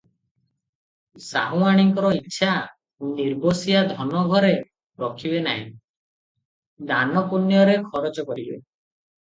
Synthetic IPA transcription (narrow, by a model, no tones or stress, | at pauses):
sa̰ɦũaɽ̃iŋkɔɾɔitːʃʰa | niɾbosiad̪ʱɔnɔɡʱɔɾe | ɾɔkʰibena̰ɦḭ̃ | d̪anɔpunjɔɾekʰɔɾɔd͡ʒɔkɔɾibḛ